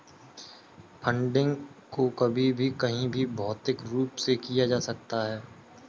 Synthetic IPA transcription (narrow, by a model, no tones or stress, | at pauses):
pʰə̃ɳɖɪ̃ŋɡkokɐbʱibʱikɐɦĩbʱibʱɔːt̪ɪkɾuːpsekijad͡ʒaːsɐk̚t̪aɦɛː